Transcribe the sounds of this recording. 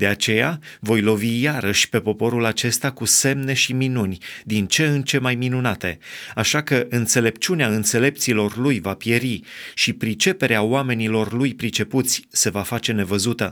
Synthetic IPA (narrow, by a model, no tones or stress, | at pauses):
d̪e̞at͡ʃe̞ja | vo̞jlo̞vijaɾəʃʲpe̞po̞po̞ɾulat͡ʃe̞st̪akuse̞mne̞ʃiminunʲd̪int͡ʃe̞ɨnt͡ʃe̞majminunat̪e̞̰aʃakəʔɨnt̪se̞le̞p̚t͡ʃuneaɨnt̪se̞le̞p̚t̪silo̞rlujvapje̞ɾiʃipɾit͡ʃe̞pe̞ɾeaoame̞nilo̞rlujpɾit͡ʃe̞put̪sʲse̞vafat͡ʃe̞ne̞vəzut̪ə